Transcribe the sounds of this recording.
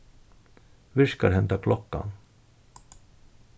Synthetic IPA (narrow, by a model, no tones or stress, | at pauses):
vɪʂkaɾɦɛnt̪akʰlɔkːa̰n